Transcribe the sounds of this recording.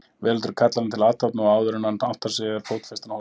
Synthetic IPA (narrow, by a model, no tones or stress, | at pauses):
vɛːlʏt̪ʏɾkʰat̪lalnt̪ʰɪlaːt̪at̪naɔaːwðʏɾɪnanan̥t̪ḁsɛːɣaɾfoːwt̪fɛst̪anh